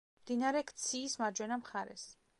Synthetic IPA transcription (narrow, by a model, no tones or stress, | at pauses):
md̪inaɾɛkʰt̪sʰiːsmad͡ʒwɛnamχaɾɛ̰s